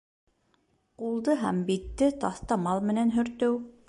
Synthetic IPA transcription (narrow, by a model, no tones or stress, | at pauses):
qulˠd̪ɤɦæmbit̪ːɘt̪ɑθt̪ɑmɑlˠmɘ̆nænɦɵ̆ɾt̪ɵw